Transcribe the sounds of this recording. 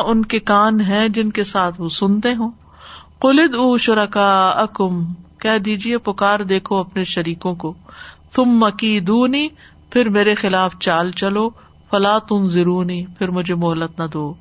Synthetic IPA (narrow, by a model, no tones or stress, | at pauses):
ʔʊnkekaːnɦɛ̃d͡ʒɪnkesaːt̪ʰʋoːsʊnt̪eɦũː | qʊlɪd̪uːʃʊɾɐkaːɐkʊmkɛːd̪iːd͡ʒiepʊkaːɾd̪eːkʰoɐpneʃɐɾiːkõkoːθʊmːɐkiːd̪uːniː | pʰɪɾmeːɾexɪlaːft͡ʃaːlt͡ʃɐloː | fɐlaːt̪ʊnzɪɾuːniːpʰɪɾmʊd͡ʒʱemʊɦlːət̪nɐd̪oː